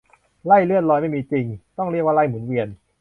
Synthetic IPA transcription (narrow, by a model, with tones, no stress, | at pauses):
la˥˩jlɯ˥˩ən̚lɔː˧jma˥˩jmiː˧t͡ɕi˧ŋt̪ɔ˥˩ŋɾi˥˩ək̚wa˥˩la˥˩jmu˩˦nwi˧ən